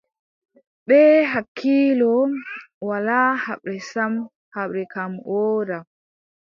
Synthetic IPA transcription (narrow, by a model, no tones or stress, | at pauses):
ɓɛːɦakʰːiːlɔ | walaːhaɓɾɛsam | haɓɾɛkamʔɔːɾa